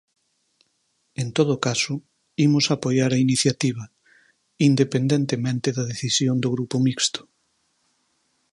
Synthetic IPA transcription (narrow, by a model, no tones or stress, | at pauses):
ent̪oð̞ʊkasʊ | imʊsapojaɾɐiniθjat̪iβ̞ɐ | ind̪epend̪ẽnt̪emẽnt̪eðɐðeθisjond̪oɣɾupʊmikst̪ʊ̥